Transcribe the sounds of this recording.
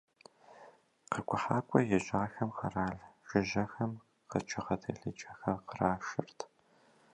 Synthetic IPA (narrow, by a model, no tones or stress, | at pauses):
qɐkʷʰʼʊħaːkʷʼɔjɛɕʼaːxɐmqɐraːɮʒ̥ɪʑɐxɐm | qət͡ʃʰɪʁɐtʰɐ̰ɮɨt͡ʃʼɐxɐqəraːʃɪrtʰ